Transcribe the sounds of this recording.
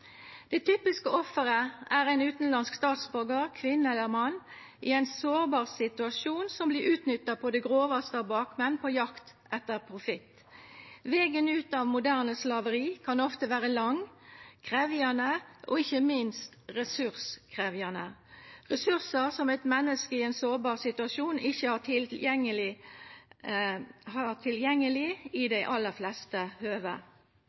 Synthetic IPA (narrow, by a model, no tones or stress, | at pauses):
d̪̥ɛt̪ʰyːpɪskəɔfːəʁəæːʁɛɪnʉːt̪n̩lɑnskst̪ɑːt̪sbʉʁɡəʁkʰʋɪnːəɛlːəʁmɑnː | ʔɪæɪnsoːʁbɑːʁsɪt̪ʉɑʃuːnsɔmbliːʁʉːt̪nʏt̪ːɑpʰɔd̪ɛɡʁoːʋɑst̪əɑʋbɑːkmɛnːpʰɔjɑkt̪ʔɛt̪ːəʁpʰʁʊfɪt̪ | ʋɛːɡənʉːt̪ɑːʋmʊd̪æʁnəslɑʋəʁiːkʰɑnɔft̪əʋæːʁəlɑŋkʰʁeːʋɪɑnəʔoɪçəmɪnst̪ʁɛsʉʁskʰʁeːʋjɑnəʁɛsʉʁsəʁsɔmæɪt̪mɛnːəskəɪeːnsoːbɑːʁsɪt̪ʉɑʃuːnɪçəhɑːʁt̪ʰɪjɛŋːəlɪ | hɑːʁt̪ʰɪljɛŋːəlɪɪd̪æɪʔɑlːəʁflɛst̪əhøːʋə̰